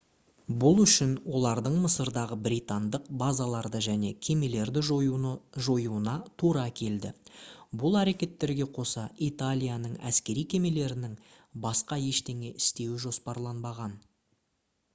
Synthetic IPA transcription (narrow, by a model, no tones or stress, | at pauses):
bʊlˠʏʃɪnwo̞lˠɑɾd̪əɴməsəɾd̪ɑʁəbɾit̪and̪əq̚bazɑlˠɑɾd̪əʒæne̞kʲʰe̞me̞le̞ɾd̪ɪ | ʒo̞juənɑt̪ʰuɾɑkʲʰe̞ld̪ɪ̰bʊlˠæɾe̞kʲe̞t̪ːe̞ɾɡʲe̞qʰo̞sɑit̪alʲijanəɴæ̰skʲe̞ɾijkʲʰe̞me̞le̞ɾɪnɪŋ | bɑsqɑje̞ʃt̪e̞ŋe̞ʔɪst̪e̞wɪʒo̞spɑɾlˠɑnbɑʁɑn